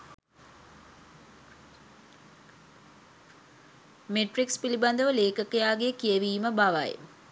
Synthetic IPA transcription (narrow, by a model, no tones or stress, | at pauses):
meʈrikspiliband̪əʋəleːkəkəjaːɡekieʋiːməbaʋa̰j